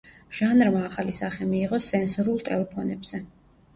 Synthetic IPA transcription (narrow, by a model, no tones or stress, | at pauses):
ʒ̥anɾmaːχalisaχɛmiːʁɔsɛnsuɾulˠt̪ʼɛ̰lɛpʰɔnɛbz̥ɛ